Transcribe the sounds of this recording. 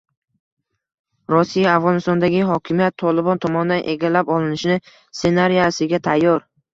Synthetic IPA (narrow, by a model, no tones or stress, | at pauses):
ɾɒsijaːfʁɒnɪst̪ɒnd̪aɡʲɪɦɒkʲʰɪmijat̪ʰːɒlɪbɒnt̪ʰɒmɒnd̪anʔe̞ɡʲalapɒlˠɪnɪʃnɪ | se̞naɾijasɪɡʲat̪ʰajːɒɾ